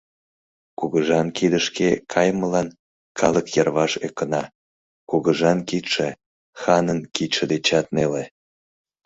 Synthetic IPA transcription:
kuɣəʒɑnkid̪əʃkekʰɑjməlɑn | kʰɑləkjɑrβɑʃekənɑ | kuɣəʒɑnkit̪ʃe | xɑnənkit̪ʃed̪et͡ɕɑt̪̚nele

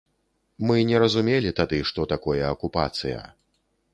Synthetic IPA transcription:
mɨnʲɛɾɐzumʲelʲit̪ad̪ɨʂt̪ɔt̪akɔjɐɐkupa̰t̪sɨjɐ̰

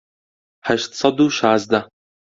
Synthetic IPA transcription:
ħaʃt̪sɐd̪uːʃaːzd̪ɐ

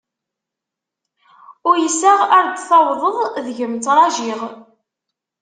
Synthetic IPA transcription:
ʊɾjəsːæʁaɾd̪θɑwðˤəðˤðʝəmt͡s̪ɾˤɑʒiʁ

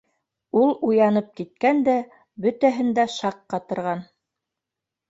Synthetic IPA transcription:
ulˠujɑnɤp̚kit̪̚kænd̪æ | bɵ̆t̪æɦɘ̆nd̪æʃɑqːɑt̪ɤ̆ɾʁɑn

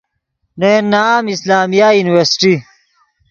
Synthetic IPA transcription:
nenːaaːmislaːmijajuniweɾsʈi

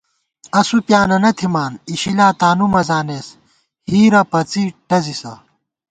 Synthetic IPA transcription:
ɐsupjaːnɐnɐt̪ʰimaːniɕilaːt̪aːnumɐzaːneːs | hiːɾɐpɐt͡siʈɐzisɐ̰

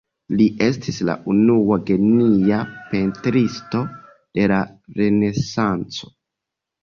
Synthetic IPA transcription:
liʔe̞stʰisla̰ʔunuaɡeniape̞ntɾisto̞ | d̥e̞laɾe̞ne̞sant͡so̞̥

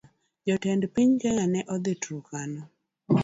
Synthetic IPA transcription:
d͡ʒɔtɛndpiɲɡɛŋanɛʔɔd̪ɪtɾukanɔ

